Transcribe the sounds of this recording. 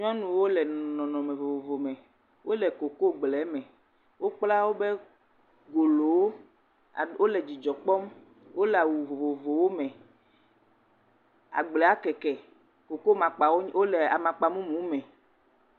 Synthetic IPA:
ɲ˦ɔ̃˦nũ˨wo˦lɛ˨nɔ̃˨nɔ̃˨mɛ̃˨vo˨vo˨vo˨mɛ̃˨ | wʔo˦lɛ˨ko˨ko˦˨ɡ͡blɛ˨˦mɛ̃˨ | wo˦k͡pla˦wo˦be˦ | ɡo˨lo˨wo˦˨ | wo˦lɛ˨d͡ʑi˨d͡ʒɔ˨k͡pɔ˦m | wo˦lɛ˨a˨wu˨vo˨vo˨vo˨wo˦mɛ̃˨ | a̰˨ɡ͡blɛ˨a˦kɛ˨kɛ˨ | ko˨ko˦mã˨k͡pa˨wo˦wo˦lɛ˨a̰˨mã˨k͡pa˨mũ˦mũ˦mɛ̃˨

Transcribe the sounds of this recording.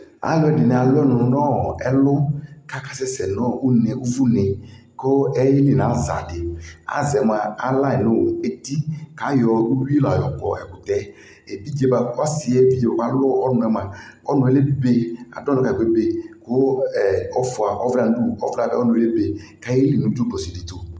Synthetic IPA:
a̰˨jɔ˦ɛ˨dɪ˨nɪ˨a˨lʊ˦ɛ˦nʊ˨nʊ˨nɔ˦˨ɛ˦lʊ˦ka˦ka˦sɛ˦sɛ˨nɔ˦ʔu˦nɛ˨u˦vu˦nɪ˨ | ko˦ɛ˦je˦lɪ˨nã˨˦˨za̰˨dɪ˨a̰˨˦zɛ˨m˨a˨a˦la˦ɛ˨nʊ˦˨e˨t̪i˦ka˨˦jɔ˨u˦lu˦i˦la˨jɔ˨kɔ̰˨ɛ̰˨kʊ˨t̪ɛ˦ | e˨bi˦d͡ʒe˦ba˨˦ɔ˦sɪ˨ɛ˦˨bi˦d͡ʒe˨bo˨ka˦lʊ˦ɔ˦nʊ˨ɛ˨ma˨ | ɔ˦nʊ̃˨e˦le˦be˨a̰˨dɔ˦nɔ˦ka˨e˨˦be˨kʊ˦ɛ˨ɔ˦fʊ˨a˨ʔɔ˦vla˦˨nʊ˦du˦ɔ̰˦vla˦˨ba˦ɔ˦nʊ˨˦e˦le˦be˨ka˦e˦li˨nũ˨˦du˦ɡ͡bɔ˨si˨dɪ˨t̪o˨

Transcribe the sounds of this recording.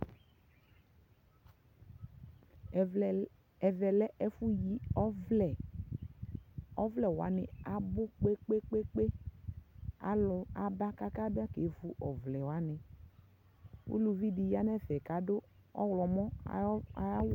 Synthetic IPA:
vɛ˨lɛ˦ʔɛ˦fu˦ji˨˦ɛ˨ | ɔ˦vlɛ˨wo˨a̰˨˦nɪ˨a˨bʊ˦k͡pe˦k͡pe˦k͡pe˦k͡pe˦ | a˦lʊ˨a˨ba˦ka˦ka˦bɪ˦a˦ke˨˦vu˦ʔɔ˨vlɛ˨wa˨˦nɪ˨ | ṵ˦lu˨vi˦di˨ji˨˦a˦nɛ˦vɛ˨ka˨˦dʊ˦ | ɔ˦wlɔ˨mɔ˦˨˦

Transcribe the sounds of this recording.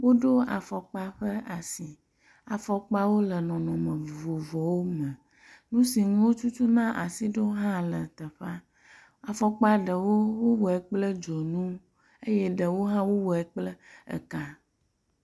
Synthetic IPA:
wo˦ɖo˦a̰˨fɔ˨k͡pa˦ɸə˦a˨si˨ | a˨fɔ˨k͡pa˦wo˦lə˨nɔ̃˨nɔ̃˨mə̃˨vo˨vɔ˨wo˦mə̃˨ | nũ˦si˨nũ˦wo˦t͡ʃu˦t͡ʃu˦nã˦ʔa˨si˦ɖo˦ɦã˦lə˨t̪ə˨ɸa˦ | a˨fɔ˨k͡pa˦ɖə˨wo˦wo˦wɔ˨ɛ˨k͡plə˦d͡ʒɔ˨nũ˦ | e˦je˦ɖə˨wo˦ɦã˦wo˦wɔ˨ɛ˨k͡plə˦ə̰˨ka˦˨

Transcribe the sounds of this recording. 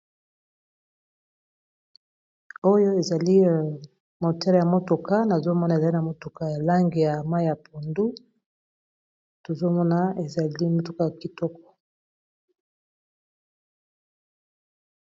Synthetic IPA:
o˦jo˦e˨za˨li˦˨ | mo˨tɛ˦lja˨mo˦to˨ka˦na˨zo˦mɔ˦n˨e˨za˨li˦na˨mo˨to˨ka˦ja˨la˦ŋɡe˨ja˨ma˦jja˨pʰu˨ndu˦ | to˨zo˦mɔ˦na˦e˨za˨li˦mo˨tu˦ka˦ja˨ki˨tɔ˦kɔ̥˨

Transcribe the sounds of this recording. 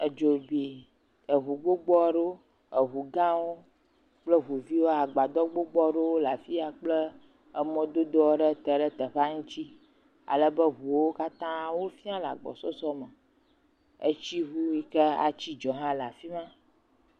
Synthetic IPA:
ə˨d͡ʒo˨bi˨ | ə˨ɦu˨ɡ͡bo˦ɡ͡bɔ˦ɖo˦ | ə˨ɦu˨ɡã˦wo˦ | k͡plə˦ɦu˨vi˦wo˦a˨ɡ͡ba˨d̪ɔ˦ɡ͡bo˦ɡ͡bɔ˦ɖe˦wo˦la˨fi˦a˨k͡plə˦ | ə˦mɔ̃˦d̪o˦d̪ɔ˦ɖə˦t̪ə˨ɖə˦t̪ə˨ɸa˦ŋũ˦t͡ɕi˦ | a̰˨lə˦bə˦ɦu˨wo˦ka˦t̪ã˦wo˦fi˦ã˦la̰˨ɡ͡bɔ̰˨sɔ˦sɔ˦mə˨ | ə̰˦t͡ʃi˦ɦu˦wi˦kə˦a̰˨t͡ɕi˦d͡ʒɔ˨ɦã˦la˨fi˦mã˦

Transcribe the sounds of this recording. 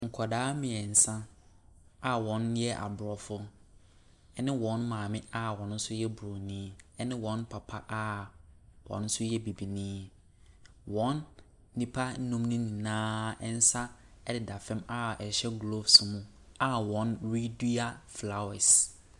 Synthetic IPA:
ŋ̩˨kʰɔ˨daː˦mɪ̃˨ɛ˨n̩˨sã˦ | a˨wɔ̃˨˦n˦ɛ˦ʔa̰˨bʊ˨ɾɔ˨fʊ˦ | ɛ˦nɪ̃˦wɔ̃˨˦nmãː˨mɪ̃˦a˦wɔ̃˨n˦n̩˦sʊ˦jɛ˦bʊ˨ɾo˨nĩː˦ɛ˦nɪ̃˦wɔ̃˦npʰa˨pʰa˦ʔa˦ | wɔ̰̃˨nn̩˦sʊ˦jɛ˦bi˨bi˨nĩː˦ | wɔ̃˨˦nː | ĩ˦pʰa˦n̩˦nũ˦mnũ˦nĩ˨nãː˦ɛ˦n̩˦sa˦ | ɛ˦dɪ˨da˨fɛ̃˦ma˦ɛ˨ɕɛ˦ɡlo˦fsmũ˦ | a˨wɔ̃˨˦nɾi˦du˦a˦fla˨wɛ˨s

